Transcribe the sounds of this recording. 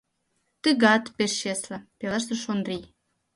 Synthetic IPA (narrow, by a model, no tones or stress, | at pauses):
t̪əɣɑt̪peʃɕeslə̆pelˠəʃt̪ə̆ʃond̪ɾi